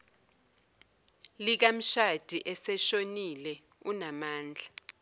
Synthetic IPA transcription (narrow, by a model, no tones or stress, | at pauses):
lik̬am̩ʃad̥ʱiʔɛsɛʃonilɛ | unamaːnd͡ɮʱa